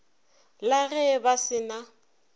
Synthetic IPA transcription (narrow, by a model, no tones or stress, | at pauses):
laɣɛbasɪna